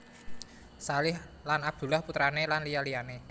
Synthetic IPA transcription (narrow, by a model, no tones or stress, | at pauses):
salɪhlanab̚d̪̥ṳlahput̪ɾanelanlijaliane